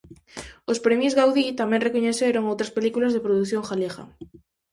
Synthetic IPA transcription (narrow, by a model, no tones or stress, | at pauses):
ospɾemjozɣawðit̪amẽŋrekoɲeθeɾoŋowt̪ɾaspelikulazðepɾoðuθjoŋxaleɣa̰